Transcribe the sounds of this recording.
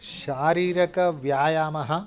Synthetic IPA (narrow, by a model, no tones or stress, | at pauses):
ʃaːɾiːɾɐkɐʋjaːjaːmɐɦɐ̆